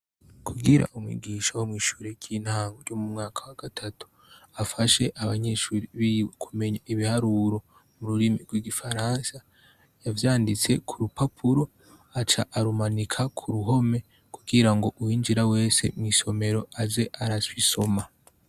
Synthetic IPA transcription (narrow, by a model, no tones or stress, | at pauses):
kʰuɡiɾa̰ʔumwḭɡiːʃawomŋiːʃuːɾeɟinhaːŋɡojomumŋaːkʰawaɡ̥atʰatu̥ | afaʃe̞ʔaβaɲe̞ʃuːɾiβiwkʰume̞ɲaiβihaɾuɾo̞ | muɾuɾimiɾɡwiɡifaɾaːnsa | javjaːndit͡se̞kʰuɾupapʰuɾo̞ | at͡ʃaʔaɾumanikʰakʰuɾuɦo̞me̞ | kuɡiɾaŋɡo̞ʔuwiːnd͡ʒiɾawe̞ːse̞̰mwiso̞me̞ɾo̞aze̞ʔaɾaswiso̞ma